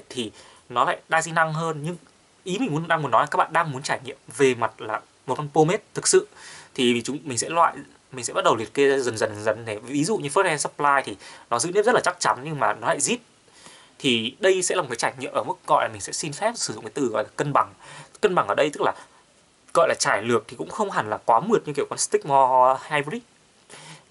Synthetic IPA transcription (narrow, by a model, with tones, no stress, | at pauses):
e˦˥t̚t̪ʰi˨˩ | nɔ˨˦la̰ː˧˨jɗaː˧zi˧na˧ŋɦəː˧nɲɨ˧ŋ | ʔi˨˦mi˨˩ŋ̟u˨˦n˨˩ɗaː˧mu˨˧ənɔ˨˦lːaː˦˥ɓaː˧˨ɗaː˧ŋmu˨˦nt͡ɕaː˧˩jŋḭ˧˨əmve˨˩ma˨˩t̚laː˨˩ | mo˨˩kɔ˧npo˧me˦˥t̚t̪ʰɨ˨˩k̚sɨ̰˧˨t̪ʰi˨˩˨t͡ɕʊ˨˦ŋ͡mmï˨˩ŋ̟sɛ̰˧˥lwa̰ː˧˨j | mi˨˩ŋsɛ˧˥ɓ̚ɗə˨˩wli˨˩ət̚ke˨˧˦zə˨˩nzə˨˩n˨˩zə̰˧˩nɗe˧˩vi˨˦zṵ˧˨ɲɨ˧fə˦˥t̚ɛ˧nsə˦˥plaː˧jt̪ʰi˨˩nɔ˨˦zɨ̰˧˥ni˦˥zə˦˥laː˨t͡ɕa˦˥k̚t͡ɕa˨˦nɲɨ˧ŋmaː˨˩nɔ˨˦la̰ː˧˨jzi˦˥t̚ | t̪ʰi˨˩ɗə˧jsɛ̰˧˥l̚ːkːa˨˦t͡ɕaː˧˩jŋḭ˧˨mʔəː˧˩m˦˥k̚ɣɔ̰˧˨jlaː˨˩mï˨˩sɛ̰˧˥si˧nfɛ˦˥p̚sɨ̥˧˩z̰ŋ͡mkaː˨˦t̪ɨ˨˩ɣɔ̰˧˨jlaː˨˩kə˧nɓa˧˩ŋkə˧nɓa˧˩ŋʔəː˧˩ɗə˧jt̪ɨ˦˥k̚laː˨˩ | ɣɔ̰˧˨jlaː˨˩t͡ɕaː˧˩jlɨ˨˩ək̚t̪ʰi˨˩kʊ̰˧˥ŋ͡mxə˧wŋ͡mɦa˨˩nlaː˨˩kwaː˨˦mɨ˨˩t̚ɨ˧ki˧˩əwka˧nst̪ï˦˥k̚mɔ˧haː˧jvi˦˥k̚